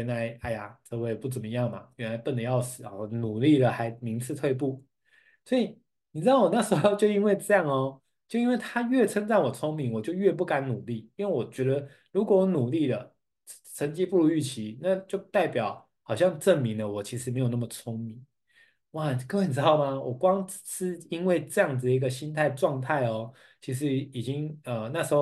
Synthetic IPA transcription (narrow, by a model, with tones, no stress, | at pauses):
ɛ˧˥nla˧˦˥ɪa˥˩ɪa̰˨˩t͡sɤ˥˧we˥˧ɪpu˥˩t͡sə˨˩mə˦jɑ˥˩ŋmɐ̰˩ɥɛ˧˥nla˧˥ɪpə˥˩nd̪ə˩jɑ˥˩ʊʂɹ̩˨˩˦ɔ̰˨˩˨nu˨˩li˥˩d̪ə˩xa˧˥ɪmi˧˥ŋt͡sʰɹ̩˥˧t̪ʰwe˥˧ɪp̬u˥˩ | swɔ˧˥i˨˩ | ni˨˩˥ɑ˥˩wɔ˨˩na˥˩ʂ̩˧˥xo˥˧o˥˧t͡ɕjo˥˧ʊi˥nwe˥˧ɪʈ͡ʂɤ˥˧jɑ˥˩ŋɔ˦ | t͡ɕjo˥˧ʊi˥nwe˥˩ɪt̪ʰa˥ɥɛ˥˩ʈ͡ʂʰə˥ŋt͡sa˥˩nwɔ˨˩t͡sʰʊ˥ŋmi˧˥ŋwɔ˨˩t͡ɕjo˥˧ʊɥɛ˥˧p̬u˥˩ka˧˦˥nnu˨˩li˥˩i˥nwe˥˩wɔ˨˩t͡ɕɥɛ˧˥d̪ə˧ | ɻu˧˥kwɔ˨˦wnu˨˩li˥˩lə˩ | ʈ͡ʂʰə˧˥ŋt͡ɕi˥pu˥˧lu˧˥y˥˩t͡ɕʰi˧˥na˥˧t͡ɕjo˥˧ʊt̪a˥˩ɪpjɑ˨˩˦ʊ | xɑ˨˩ʊɕjɑ˥˧ŋʈ͡ʂə˥˨˩ŋmi˧˦˥d̪ə˨wɔ˨˩t͡ɕʰi˧˥ʂɻ̩˧me˧˥ɪjo˨˩ʊna˥˩mə˩t͡sʰo˥ŋmi˨˩˦ŋ | wa˥˨˩kə˥we˥˩ni˨˩ʈ͡ʂɻɑ˥˩ʊma˨wʔɔ˨˩kwɑ˥ŋ̩˥ | i˥nwe˥˧ɪʈ͡ʂɤ˥˧jɑ˥˩ŋd͡z̩˨d̪ə˩i˧˥ɡə˧ɕi˥nt̪ʰa˥ɪʈ͡ʂwɑ˥˧ŋt̪ʰa˥˩ɪɔ˦ | t͡ɕʰi˧˥ʂ̬ɻ̩˧˥i˨˩t͡ɕi˦˥ŋə˩na˥˩ʂ̩˧˥xo˥˧˩